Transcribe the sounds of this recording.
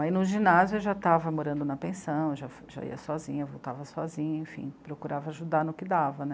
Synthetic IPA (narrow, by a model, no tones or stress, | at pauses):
ainʊʒĩnazjuʊewʒat̪avɐmoɾɐ̃nd̪ʊnɐpẽsɐ̃w̃ewʒafʒa̰ḭɐsɔzḭ̃ɲɐvowt̪avɐsɔzĩɲɐẽfḭ̃pɾokuɾʔavɐaʒud̪aɾnʊkɪd̪avɐnɛ